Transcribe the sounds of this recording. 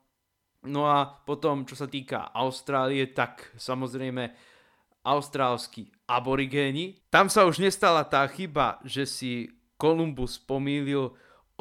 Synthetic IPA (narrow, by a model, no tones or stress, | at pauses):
nɔapɔt̪ɔmt͡ʃɔsat̪iːka̰ʔa̰ʊst̪ɾaːliɛt̪aksamɔzɾɛjmɛ | ʔaʊst̪ɾaːlski | abɔɾiɡɛːɲit̪amsauʒɲɛst̪alat̪aːxiba̰ʒɛsi | kɔlumbuspɔmiːlil